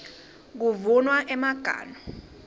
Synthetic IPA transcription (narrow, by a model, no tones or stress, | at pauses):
k̬uvunwaʔɛmaɡ̥ʱa̰ːnɔ